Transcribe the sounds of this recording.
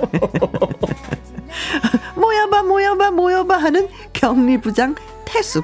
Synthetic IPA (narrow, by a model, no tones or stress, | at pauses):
mojʌbamojʌbamojʌbaɦanɯn | kjʌŋɲibud͡ʑaŋ | tʰesʰu